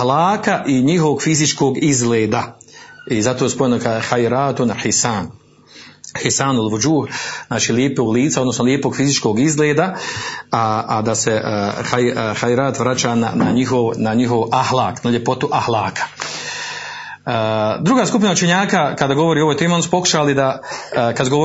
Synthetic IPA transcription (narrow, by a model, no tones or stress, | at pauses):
ahlaːkaʔiɲiɦoʋoɡfizit͡ʃkoːɡizɡleːd̪a | izat̪oːespojenokaxajɾaːt̪onħisaːn | hisaːnulʋud͡ʒuːhznaːt͡ʃiːljeːpoːɡliːt̪saod̪nosnoljeːpoɡfizit͡ʃkoːɡizɡleːd̪aaʔad̪ase̞xajxajɾaːt̪ʋɾat͡ʃaːna̰na̰ɲiɦo̞ʋnaɲiɦo̞ʋahlˠaːknaʎje̞po̞t̪uʔahlaːkʰḁ | d̪ɾuɡaːskupinaut͡ʃe̞ɲaːkakad̪aːɡo̞ʋoɾiːo̞ʋojt̪eːmo̞nsu̥po̞ku̥ʃalid̪akad̪ɡo